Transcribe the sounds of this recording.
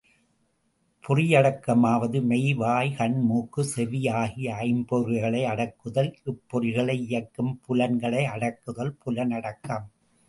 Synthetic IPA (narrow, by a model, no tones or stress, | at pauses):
pʰʊrɪjɐɽɐkːɐmaːʋɐðɯmɛɪʋaːjkɐɳmuːkːɯsɛʋɪjaːɣiɐɪmbɔɾɪɣɐɭɐɪɐɽɐkːɯðɐlɪpːɔrɪɣɐɭɐɪɪjɐkːɯmpʊlɐnɡɐɭɐɪɐɽɐkːɯðɐlpʊlɐnɐɽɐkːɐm